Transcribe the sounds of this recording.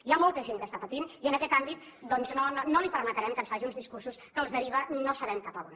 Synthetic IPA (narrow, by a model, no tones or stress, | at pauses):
iamɔlˠt̪əʒeŋkəst̪apət̪iniənəkɛt̪ambit̪d̪ɔnznononolipəɾmət̪əɾɛmkənsfaʒiunzðiskursuskəːlˠzðəɾiβ̞ənosəβɛmkapəβun